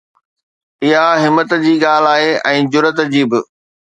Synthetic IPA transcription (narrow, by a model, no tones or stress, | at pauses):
ɪɦaɦɪmːət̪d͡ʑiːɠaːl̤aːɦeʔɛ̃ːd͡ʑʊɾət̪d͡ʑiːbɪ